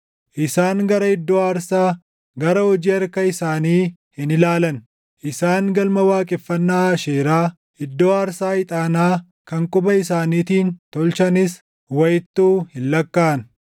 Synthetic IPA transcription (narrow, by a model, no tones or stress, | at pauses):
ʔɪsaːŋɡɐɾɐɪd̪ːoːaːɾsaː | ɡɐɾɐhɔd͡ʒiːɐɾkɐɪsaːniːhɪnɪlaːlɐn | ʔɪsaːŋɡɐlmɐwaːkʼɪfːɐnːaːʃeːɾaː | ɪd̪ːoːaːɾsaːɪt̪ʼaːnaː | kɐŋkʼʊbɐɪsaːniːt̪iːnt̪ɔlt͡ʃɐnɪs | wɐjɪt̪ːuːhɪnlɐkːaːɐn